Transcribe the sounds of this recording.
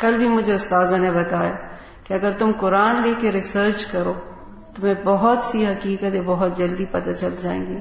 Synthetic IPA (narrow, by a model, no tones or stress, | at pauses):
kɐlbʱimʊd͡ʒʱeʊst̪aːzanebɐt̪aːja | kiɐɡəɾt̪ʊmkʊɾaːnleːkeɾɪsəːɾt͡ʃkɐɾoː | t̪omẽbɐɦʊt̪siɦɐkiːkət̪ebɐɦʊt̪̚d͡ʒɐld̪ipɐt̪at͡ʃɐld͡ʒaːḛ̃ːŋɡiː